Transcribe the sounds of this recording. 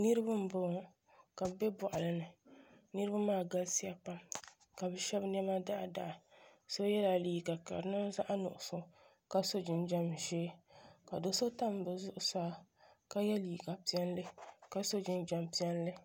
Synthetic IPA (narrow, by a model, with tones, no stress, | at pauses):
nɨ˦ɾɨ˦ba˦m̩˦bʊ˨ | ka˨bbɛ˦bɔ˨ʔa˨lɨ˨nɨ˨ | nɨ˦ɾɨ˦ba˦maː˦˨ɡa˦lsi˦ja˦pa˦m | ka˨bɛ˨ʃɛ˦bnɛ˦ma˦da˦ʔda̰˨ʔso˦jɛ˦la˨li˨ɡa˨ka̰˨ɾɨ˨˦nɨ˦za˦ʔa˦nʊ̰˨ʔʊ˨sʊ˦˨ | ka˦so˦d͡ʒɪ˨nd͡ʒa˦mʒeː˦ka˨do˦so˦ta˦m˨˦bɨ˨zʊ˦ʔʊ˦saː˦ka˦jɛ˦liː˨ɡa˨pi˦ɛ˦nlɨ˦ka˦so˦d͡ʒɪ˦nd͡ʒa˨mpi˦ɛ˦nlɨ˦